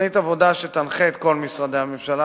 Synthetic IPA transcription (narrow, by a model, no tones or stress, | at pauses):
it̪avo̞d̪aʃet̪anχeːt̪ko̞lmisʁad̪eamemʃala